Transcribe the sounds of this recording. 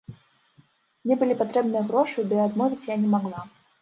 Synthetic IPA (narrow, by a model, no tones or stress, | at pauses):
mnʲɛbɨlʲipat̪ɾɛbnɨjɐɣɾɔʂɨbɨjaad̪mɔvʲit͡sʲjanʲɛmaɣlˠa